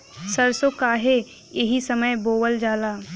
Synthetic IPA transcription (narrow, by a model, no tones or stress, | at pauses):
sɐɾsokaːɦe | jeɦisɐməjboːwəld͡ʒaːlaː